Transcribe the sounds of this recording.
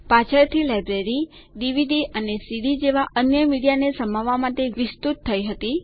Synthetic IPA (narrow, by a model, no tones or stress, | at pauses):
pãt͡ʃʰəɾt̪ʰilajbɾeɾi | ɖiʋiɖiʔənesiɽid͡ʒeʋaʔənjəmiɽijanesəmaʋamat̪eʋɪst̪ut̪ʰːəiɦət̪i